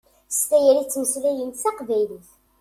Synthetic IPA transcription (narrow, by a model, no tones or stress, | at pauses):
st̪æjæɾit͡sːməslæjənsɑqvæjliθ